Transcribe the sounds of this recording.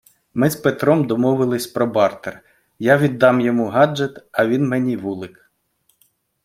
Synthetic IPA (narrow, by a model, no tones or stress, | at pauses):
mɪzpet̪ɾɔmd̪ɔmɔʋɪlˠɪsʲpɾɔbɑrt̪er | jaʋʲid̪ːɑmjɔmuɦɑd͡ʒet̪ɐʋʲinmenʲiʋulˠɪk